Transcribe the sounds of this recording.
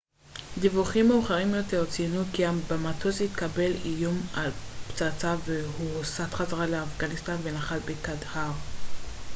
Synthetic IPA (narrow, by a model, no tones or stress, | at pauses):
d̪ivuχimːeuχaʁimjo̞te̞ʁt͡senukiabamat̪ozit̪kabe̞lijumalpt͡sat͡savehusat̪χazaʁaleafɡanist̪anvenaχalbekad̪haʁ